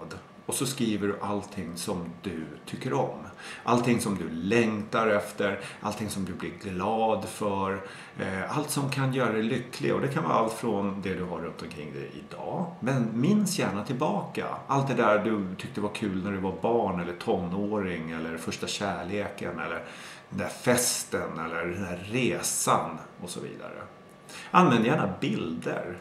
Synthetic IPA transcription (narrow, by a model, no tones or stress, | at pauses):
d̪ | ɔsɔskɾiːvəɖɵʔalt̪ʰɪŋːsɔmd̪ɵt̪ʰʏkːəɾɔmʔalt̪ʰɪŋsɔmd̪ɵlɛŋt̪aɾɛft̪əɾʔa̰lt̪ʰɪŋsɔmd̪ɵblɪɾɡlɑːd̪fœɾ | alt̪sɔmkʰanjœːɾad̪ɛlʏkʰːlɪ̰ɡɔd̪ɛkʰanvɑ̰ːɾalt̪fɾɔnd̪ɛd̪ɵɦaɾːɵnt̪ɔmkʰɾɪ̰ŋːd̪ɛ̰jɪ̰d̪ɑ̰ːmɛnmɪnsjæːɳat̪ʰɪlbɑːka̰ʔalt̪̚d̪ɛd̪æd̪ɵt̪ʰʏk̚t̪əvaɾkʰʉ̟ːlnæɖɛvabɑːɳɛlːəʈʰɔnːoːɾɪŋɛlːəɾfœʂʈaɕæːɭeːkə̰nɛ̰lːəɾd̪ɛnd̪æfɛst̪ənɛlːəɾd̪ɛnd̪æɾeːsanʔɔsɔ̰vḭːd̪a̰ɾə̰ | ʔanvɛnd̪əjæːɳabɪld̪ə̰ɾ